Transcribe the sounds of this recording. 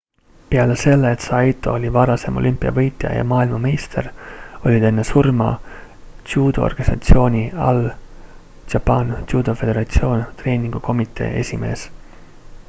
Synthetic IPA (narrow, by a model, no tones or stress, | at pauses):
peɑlese̞lːeːt̪sɑjt̪ːˑo̞olʲivɑɾɑse̞mʔo̞̰lʲʔympːˑiɑ̰vɤ̞jt̪ˑjɑ̰jɑ̰mɑːilmɑmejst̪ʰe̞ro̞lʲid̪e̞nːe̞surmɑ̰ | t̪juːd̪̥oorɡ̥ɑnisɑ̰t̪sio̞ːnʲiɑ̰l | tɑpɑnt̪juːd̪̥ofe̞d̪e̞ɾɑt̪sio̞ːnt̪re̞ːnʲiŋɡ̥uko̞mit̪ːˑe̞̰ːe̞̰sʲime̞̰ːs